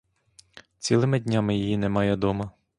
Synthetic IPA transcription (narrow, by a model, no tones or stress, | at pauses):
t͡sʲilˠɪmɪdʲnʲamɪjijinɛmɑjɛd̪ɔmɐ